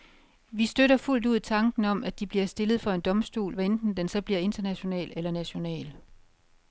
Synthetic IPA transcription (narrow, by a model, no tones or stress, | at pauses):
ʋisd̥øɾɐful̰duð̞̰ˠt͡sʰɑ̈ŋɡ̥n̩ɒ̽m̰æd̥ib̥liɐsd̥e̝lð̞̩ˠfɒ̽e̝nd̥ɒ̽msd̥ṵːlʋæend̥n̩d̥ensɒ̽b̥liɐe̝nd̥ɐnæɕo̝nɛ̰ːlelɐnæɕo̝nɛ̰ːl